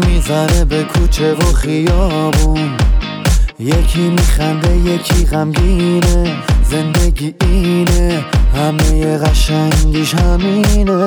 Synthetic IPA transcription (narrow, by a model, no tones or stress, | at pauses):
mizaɾebekʰut͡ʃʰevoχijɒːbun | jekʰimiːχænd̪ejekʰiɣæmɡinezend̪eɡiʔinehæmejeɣaʃæŋɡiʃhæmine